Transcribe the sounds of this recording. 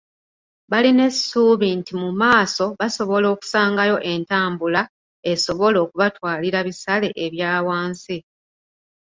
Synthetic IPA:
βaline̞suːβintimumaːso̞βaso̞βo̞lo̞ːku̥saːŋɡajo̞ʔe̞ntaːmbula | e̞so̞βo̞lo̞ːkuβatwaːliɾaβisale̞ʔeβjaːwaːnsi

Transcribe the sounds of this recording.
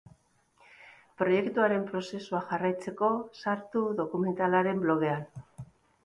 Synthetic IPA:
pɾo̞je̞kt̪uaɾe̞mpɾo̞se̞suaʝarajt͡se̞ko̞saɾt̪uðo̞kume̞nt̪alaɾe̞mblo̞ɣ̞e̞an

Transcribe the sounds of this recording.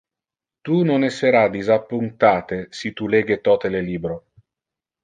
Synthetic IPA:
t̪unonɛsːeɾad̪izapːunt̪aːt̪esit̪uleːɡet̪ɔt̪eleliːbɾo

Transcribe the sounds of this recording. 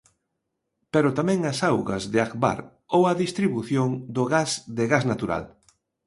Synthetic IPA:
peɾʊt̪amɛ̃ŋɐsawɣɐ̰zðɪakba̰ɾ | owɐðist̪ɾiβuθjoŋd̪ʊɣazðɪɣaznat̪uɾa̰l

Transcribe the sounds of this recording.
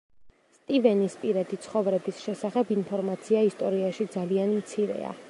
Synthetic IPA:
st̪ʼivɛnispʼiɾad̪it̪sʰχɔvɾɛbisʃɛsaχɛbinpʰɔɾmat̪sʰiaist̪ʼɔɾiaʃid̪zalianmt̪sʰiɾɛ̰a̰

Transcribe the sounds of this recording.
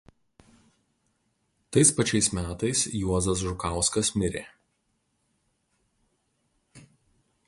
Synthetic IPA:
t̪ɐɪspɐt͡ʃʲɛɪsmʲæːt̪ɐɪsjuɔzɐs̬ʒʊkɑˑʊskɐsmʲɪɾʲeː

